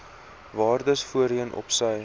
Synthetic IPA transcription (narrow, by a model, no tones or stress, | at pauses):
vɑːrdəsfuəɾiənʔɔ̰psəj